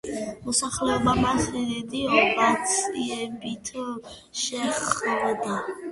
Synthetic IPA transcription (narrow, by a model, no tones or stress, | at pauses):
mɔsaχlɛɔbamasɛd̪ɛd̪iɔbat̪sʼiɛbit̪ʰ | ʃɛχd̪d̪a